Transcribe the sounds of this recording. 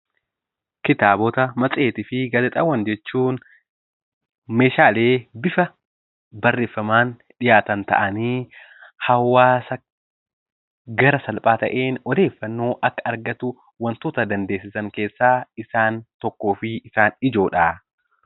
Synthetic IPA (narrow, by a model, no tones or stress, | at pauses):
kɪt̪aːbɔt̪ɐmɐt͡sʼe̞ːt̪ɪfɪɡɐlɛt̪ʼɐwːɐnd͡ʒɛt͡ʃːuːn | me̞ːʃaːle̞ːbɪfɐ | bɐrːe̞ːfːɐmaːn | ᶑɪjaːt̪ɐnt̪ɐ̰ʔɐniː | hɐwːaːsɐ | ɡɐɾɐsɐlpʼaːt̪ɐʔeːnɔd̪e̞ːfːɐnːo̞ːʔɐkːɐɐɾɡɐt̪ʊ | wɐnt̪oːt̪ɐd̪ɐnd̪e̞ːs̬ːɪsɐŋke̞ːsːaːɪsaːnt̪ɔkːo̞ːfɪɪsaːnɪd͡ʒo̞ːᶑaː